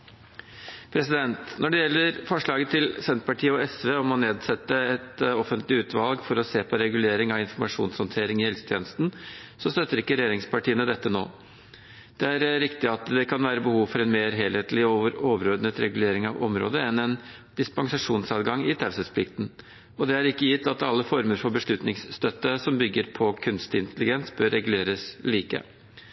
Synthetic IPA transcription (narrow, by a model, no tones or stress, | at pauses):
pʰɾɛsɪd̪ɛnt̪nʔɔɖɛjɛlːəɾfɔʂɭɑːɡət̪ʰɪlsɛnt̪pɑʈʰiːəɔɛsʋeːɔmhɑnːeːd̪sɛt̪ːəɛt̪ɔfənt̪lɪʉːt̪ʰʋɑlɡfɔɾɔseːpʰɔɾɛɡʉleːɾɪŋɑʋɪnfɔɾmɑʂṵːnshɔnt̪ʰeːɾɪŋɪhɛlsə̥t̪ʰjeːnəst̪n̩sɔst̪øt̪ːəɾɪkːəɾɛjeːɾɪŋspʰɑʈiːənəd̪ɛt̪ːəno̰ː | d̪̥ɛæɾɾɪkt̪ɪɑt̪d̪ɛkʰɑnʋæːɾəbəhuːʋfɔɾɛnmeːɾɦeːlheːt̪lɪoːʋəɾoːʋəɾɔɾd̪nət̪ɾɛɡʉleːɾɪŋɑʋɔmɾo̰ːd̪əɛnɛn | d̪̥ɪspɑŋsɑʂuːnsɑːt̪ɡɑŋɪt̪ʰæɾsəspʰlɪkt̪n̩ | ɔd̪ɛæɾɪkːəjɪt̪ːɑt̪ɑlːəfɔɾməɾfɔɾbəʂɭʉt̪nɪŋsst̪œt̪ːəsɔmbʏɡːəɾpʰɔkʰʉnst̪ɪnt̪əlɪɡɛnsbœɾːɛɡʉleːɾəsliːkə̰